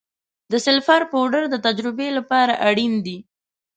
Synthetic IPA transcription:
d̪əsɪlfaɾpəɖəɾd̪ət̪ad͡ʒɾɪbelapɑɾaʔaɽind̪i

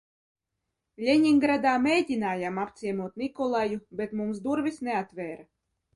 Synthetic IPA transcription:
lʲeɲʲiŋɡɾad̪aːmʲejdʲinaːjamapt̪sʲiɛmuɔt̪nikɔlˠajubʲet̪mumsd̪uɾvʲisneat̪vʲɛːɾa

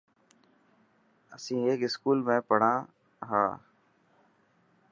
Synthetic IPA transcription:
əsĩːeːkɪskuːlmẽːpəɽ̤ãː | ɦaː

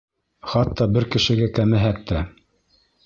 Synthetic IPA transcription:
χɑt̪ːɑbɘɾkɘ̆ʃɘ̆ɡækæmæɦæk̚t̪æ

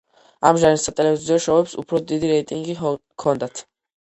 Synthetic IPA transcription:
amʒaɾisat̪ʼɛlɛviziɔʃɛvɛpsṵpʰɾɔd̪id̪iɾɛjt̪ʼiŋɡi | kʰɔnd̪at̪ʰ

